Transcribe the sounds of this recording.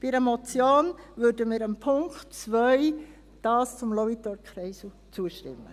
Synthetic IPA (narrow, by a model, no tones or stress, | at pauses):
b̥iɾəmɔt͡sjoːnʋøːɾdəmiːɾəmpʰʊŋktt͡sʋœʏ | d̥ɑːst͡sʊmlɔwitɔɾkʰɾɛɪsu | t͡suəʃtɪ̰mːə̰